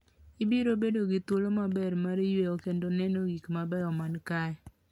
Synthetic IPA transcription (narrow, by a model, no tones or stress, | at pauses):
ibiɾobedoɡit̪olomabɛɾmaɾijweɔkendonɛnoɡikmabɛɾɔmankaɛ